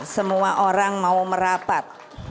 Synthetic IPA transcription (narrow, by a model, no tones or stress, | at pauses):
səmuwaʔoɾaŋmauməɾapat̪̚